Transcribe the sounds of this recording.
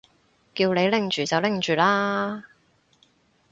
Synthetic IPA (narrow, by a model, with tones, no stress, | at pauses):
kiː˧wle˨˧jlɪ˨˩ŋt͡ʃyː˨˩t͡sɐ˨wlɪ˨˩ŋt͡ʃyː˨˩laː˥